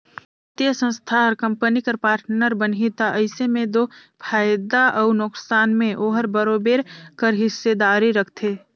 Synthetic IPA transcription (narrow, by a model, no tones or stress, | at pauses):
t̪jəsə̃nst̪ʰaɾkəmpənikəɾpaːɾʈnəɾbənɦit̪aʔɐɪsemẽd̪oːpʰaːjd̪aʔɐʊnʊksaːnmẽʔoːɦəɾbəɾoːbeːɾkəɾɦɪsːed̪aːɾiɾəkʰt̪ʰeː